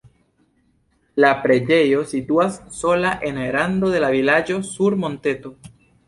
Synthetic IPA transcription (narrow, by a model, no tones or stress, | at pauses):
lapɾeʎejosit̪uassolaʔeneɾand̪oðelaβilad͡ʒosuɾmõnt̪et̪o